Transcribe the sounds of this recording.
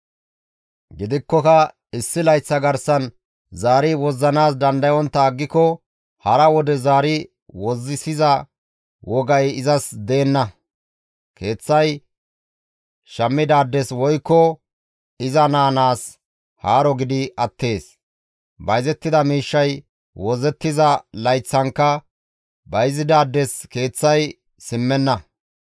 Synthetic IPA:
ɡɪd̪ɪkːɔkɐ | ɪsːɪlɐjt͡sːɐɡɐɾsɐn | zaːɾɪwɔzːɐnaːs̬d̪ɐnd̪ɐjɔnt̪ːɐːɡːɪkɔ | hɐɾɐwɔd̪ɛzaːɾɪ | wɔzːɪsɪzɐ | wɔɡɐjɪzɐsd̪e̞ːnːɐ | kʰe̞ːt͡sːɐj | ʃɐmːɪd̪aːd̪ːɛswɔjkːɔ | ɪzɐnaːnaːs | haːɾɔɡɪd̪ɪɐt̪ːe̞ːs | bɐjzɛt̪ːɪd̪ɐmiːʃːɐj | wɔzɛt̪ːɪzɐlɐjt͡sːɐŋkːɐ | bɐjzɪd̪aːd̪ːɛske̞ːt͡sːɐj | sɪmːɛnːɐ

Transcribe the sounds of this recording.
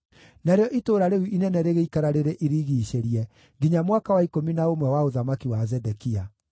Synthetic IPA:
naɾeɔʔitoːɾaɾeuinɛnɛɾeɣeikaɾaɾeɾeʔiɾiɣiːʃeɾiɛ | ɡiɲamwakawaikominaomwɛwaoðamakiwazɛdɛkia

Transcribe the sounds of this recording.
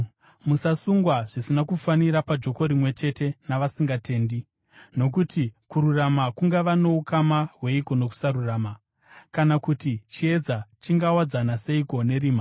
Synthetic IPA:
musasuŋɡwaʐ̥isinakufaniɾapad͡ʒo̞ko̞ɾimwe̞t͡ʃe̞te̞naʋasiŋɡate̞ːndi | no̞k̬utikuɾuramakuŋɡaʋano̞ukamaɦwe̞iko̞no̞ku̥saɾuraːma | kanakutit͡ʃie̞d͡zat͡ʃiŋɡawad͡zanase̞iko̞ne̞ɾiːma

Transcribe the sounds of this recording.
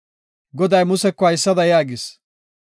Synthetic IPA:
ɡɔd̪ɐjmʊsɛkːɔɐjɪsːɐd̪ɐjaːɡɪs

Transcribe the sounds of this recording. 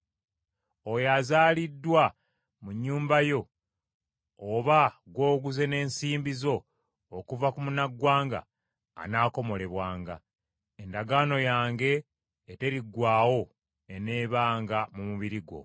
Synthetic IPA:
ojazaːlidːwa | muɲːuːmbajo̞ | βaɡwo̞ːɡuze̞ne̞ːnsiːmbizo̞ː | kuvakumunaɡːwaːŋɡa̰ː | naːko̞mo̞le̞βwaːŋɡa̰ | e̞ndaɡaːno̞jaːŋɡe̞ː | te̞ɾiɡwaːwo̞ | e̞ne̞ːβaːŋɡamumuβiɾiɡwo̞̰

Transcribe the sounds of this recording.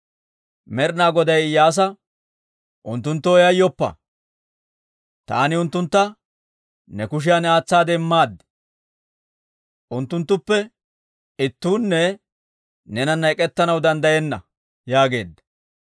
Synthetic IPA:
mɛɾnaːɡɔd̪ɐjjaːs̬ɐ | ʔʊnt̪ːʊnt̪ːɔɔjɐjːɔpːɐ̰ | t̪a̰ːnɪʊnt̪ːʊnt̪ːɐ | nɛkʊʃ̬ɪjanɛaːt͡sːaːd̪ɛmːaːd̪ː | ʔʊnt̪ːʊnt̪ːʊpːɛ | ɪt̪ːuːnːɛ | nɛnɐnːɐɛkʼːɛt̪ːɐnɐwd̪ɐnd̪ɐjɛnːɐ | jaːɡe̞̰ːd̪ːɐ̥

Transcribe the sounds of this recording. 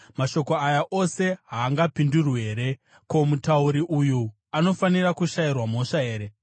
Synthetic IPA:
maʃo̞ko̞ajaʔo̞se̞ɦaːŋɡapindurweːɾe̞ | ko̞mutauɾiʔuju | ano̞fanirakuʃairwamo̞ʂae̞ːɾe̞

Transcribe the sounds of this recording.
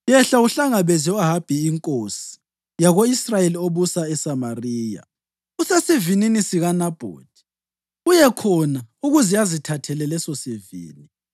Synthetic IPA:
jɛɬauɬaŋaβɛziɔaɦab̥ʱiːŋkʼosi̥ | jaɣoisrajelioβusaɛsamariːja̰ | usɛsivininisiɣanab̥ʱo̰ːd̥ʱi̥ | ujɛkʰɔnauɣuzijazitʰatʰɛlɛlɛsɔsevḭːni

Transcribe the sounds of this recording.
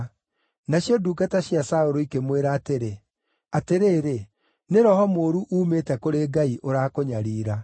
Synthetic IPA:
naɕiɔduːɡataɕjasaoɾoikemweɾaːteɾe | ateɾeːɾe | neɾɔhɔmoːɾuʔuːmetɛkoɾeːɡaiʔoɾaːkoɲaɾiːɾa

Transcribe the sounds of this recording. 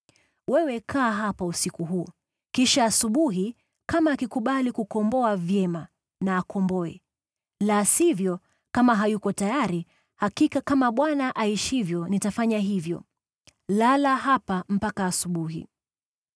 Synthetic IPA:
wɛwɛkʰaːɦapausikuɦuː | kiʃaːsuɓuɦi | kamaːkikuɓalikukɔmbɔavjɛma | naːkɔmbɔɛ̰ | lasivjɔ | kamaɦajukɔtajaɾi | hakikakamaɓwanaʔaiʃivjɔnitafaɲaɦivjɔ̰ | lalaɦapam̩pakaːsuɓuɦḭ

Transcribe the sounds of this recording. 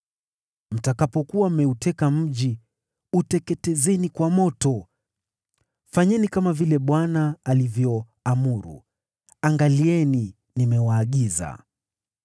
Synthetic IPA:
m̩takapɔkuamɛutɛkam̩ʄi | utɛkɛtɛzɛnikwamɔtɔ | faɲɛnikamavilɛɓwanaːlivjɔ | amuɾṵ | aŋɡaliɛni | nimɛwaːɠiza̰

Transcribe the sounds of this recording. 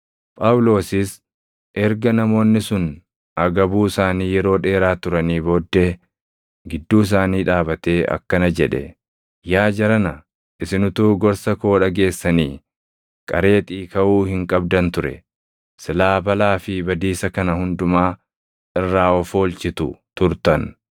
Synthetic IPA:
pʼɐwʊlo̞ːsɪs | ʔɛɾɡɐnɐmo̞ːnːɪsʊn | ɐɡɐbuːsaːniːjɛɾo̞ːᶑe̞ːɾaːt̪ʊɾɐniːbo̞ːd̪ːeː | ɡɪd̪ːuːɪs̬aːniːᶑaːbɐt̪e̞ːʔɐ̰kːɐnɐd͡ʒɛᶑɛ̰ | jaːd͡ʒɐɾɐnɐ | ʔɪsɪnʊt̪uːɡɔɾsɐko̞ːᶑɐɡe̞ːsːɐniː | kʼɐɾe̞ːt̪ʼiːkɐʔuːhɪŋkʼɐb̚d̪ɐnt̪ʊɾɛ̰ | sɪlaːbɐlaːfɪbɐd̪iːsɐkɐnɐhʊnd̪ʊmaː | ɪrːaːɔfoːlt͡ʃɪt̪ʊ̰t̪ʊɾt̪ɐn

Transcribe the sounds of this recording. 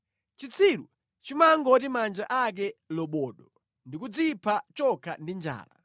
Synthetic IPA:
t͡ʃit͡sʰiɾṵ | t͡ʃimaŋɡɔtimand͡ʒaʔak̬ɛlɔɓɔːɗɔ | ndikud͡zipʰat͡ʃɔkʰa̰ndind͡ʒa̰ːla̰

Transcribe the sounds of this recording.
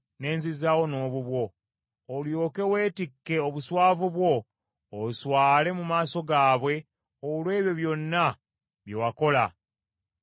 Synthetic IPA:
ne̞ːnzizawo̞no̞ːβuβwo̞ː | ljo̞ːke̞we̞ːtikːe̞oβuswaːvuβwo̞ː | uswaːle̞mumaːso̞ɡaːβwe̞ | olwe̞ːβjo̞βjo̞nːa | βjewako̞la

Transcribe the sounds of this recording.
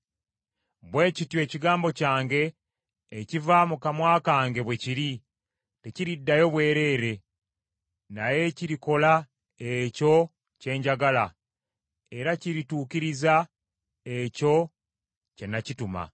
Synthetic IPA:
βwe̞ːcitjwe̞ːciɡaːmbo̞caːŋɡe̞ː | civamukamwaːkaːŋɡe̞βwe̞ciɾi | te̞ciɾidːajo̞βwe̞ːɾe̞ːɾe̞ | naje̞ciɾiko̞la | eco̞ | ce̞ːɲɟaɡala | e̞ɾaciɾituːkiɾiza | eco̞ | ce̞nacituma̰

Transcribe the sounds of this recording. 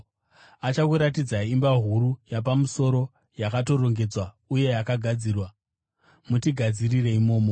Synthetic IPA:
at͡ʃakuɾatid͡zaimbaɦuɾujap̬amuso̞ɾo̞ | jakato̞ro̞ŋɡe̞d͡zwa | uje̞jakaɡʱad͡ziːrwa | mutiɡʱad͡zirire̞imo̞ːmo

